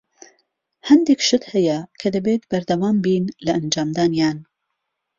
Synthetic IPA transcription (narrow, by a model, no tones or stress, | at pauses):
hɐnd̪ekʃɨt̪hɛjɐkʰɐd̪ɐbeːt̪bɐɾd̪ɐwaːmbiːnlɐʔɐnd͡ʒaːmd̪aːnjaːn